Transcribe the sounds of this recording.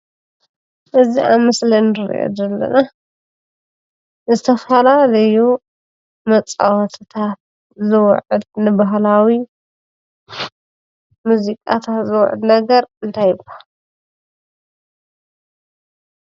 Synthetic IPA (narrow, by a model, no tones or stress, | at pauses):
ʔɨziʔamɨslinɨɾḭʔo̰d̪ɐlːɐ̰na | zɨt̪ʰɐfɐlalɐju | mɐt͡sʼa̰wɐt̪ʰɨt̪ʰat̪̚ | zɨw̰ʕɨd̪nɨbaɦlawi | muzikʼa̰t̪ʰat̪zɨw̰ʕɨ̰d̪nɐɡɐɾɨnt̪ʰajɨbal